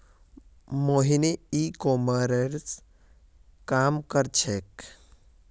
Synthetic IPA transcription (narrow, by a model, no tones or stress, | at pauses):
moɦineikoməɾeɾs | kamkəɾt͡ʃʰek